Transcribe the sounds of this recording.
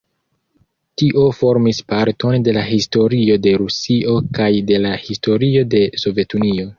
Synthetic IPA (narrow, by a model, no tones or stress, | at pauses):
tiʔo̞fo̞ɾmispaɾto̞nde̞laɦisto̞ɾio̞de̞ɾusiʔo̞kajde̞lahisto̞ɾio̞de̞so̞ve̞tunio̞